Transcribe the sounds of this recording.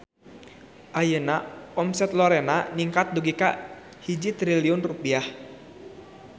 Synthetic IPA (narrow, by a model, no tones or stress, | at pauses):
ʔajənaɔmsɛt̪lɔɾɛnaniŋkat̪̚duɡika | hid͡ʒit̪ɾiliʊnrupiah